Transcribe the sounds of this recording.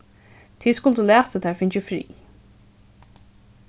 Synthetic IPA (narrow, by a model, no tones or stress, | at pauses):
t̪ʰiːðskʊlt̪əlæːt̪ət̪ʰɛɹfɪɲt͡ʃɪfɾḭː